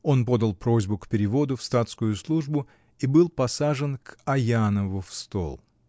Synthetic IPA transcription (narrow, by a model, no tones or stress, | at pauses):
o̞npo̞d̪əlˠpɾo̞zʲbʊkpʲɪɾʲɪvo̞d̪ʊfst̪at̪skʊjʊslˠuʐbʊ | ibɨlˠpɐsaʐɨnkɐjanəvʊfst̪o̰lˠ